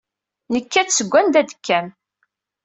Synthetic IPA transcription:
nəkːæt͡ssəɡʷːænd̪æd̪ə̥kːæm

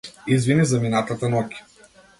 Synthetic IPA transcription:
izvinizɐminat̪at̪anɔkʲi̥

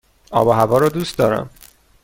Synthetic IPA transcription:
ɒ̰ːbɒːɦævɒːɾɒːd̪ust̪d̪ɒːɾæ̰m

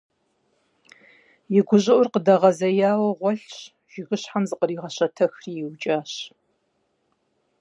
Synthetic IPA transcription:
jɪɡʷʊʑʼɪʔʷʊrqədɐʁɐzɐjaːwɐʁʷɔɬɕ | ʒ̥ɪɣɨɕħamzɨqəɾiːʁɐɕɐtʰɐxriːjɪwt͡ʃʼaːɕ

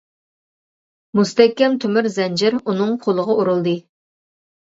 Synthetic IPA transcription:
must̪ɛkʲːɛmt̪ʰymyɾzɛnd͡ʒɪɾunɨŋqʰolˠəʁɑuɾulˠd̪ɨ

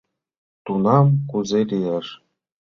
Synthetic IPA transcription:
t̪unɑmkuzelʲijeʂ

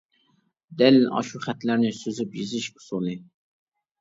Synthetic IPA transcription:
d̪ɛlʔɑ̰ʃuχɛt̪læɾnɪsøzypjizɨʃkʊ̥sulˠnɨ

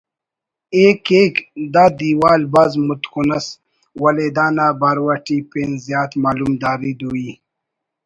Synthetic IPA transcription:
eːkekd̪aːd̪iːwaːlbɐzmut̪kunɐs | wɐled̪aːnaːbaɾwɐʈiːpeːnzjaːt̪maːlumd̪aːɾid̪ui

